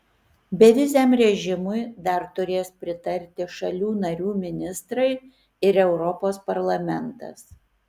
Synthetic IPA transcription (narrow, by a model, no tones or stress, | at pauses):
bʲɛʋʲɪzʲɛːmɾʲɛʒʲɪmʊɪd̪ɐɾt̪ʊɾʲeːspʲɾʲɪt̪ɐɾʲt̪ʲɪʃɐlʲuːnɐɾʲuːmʲɪnʲɪst̪ɾɐɪ | ɪɾɛʊɾɔpoːspɐɾlˠɐmʲɛnt̪ɐ̰s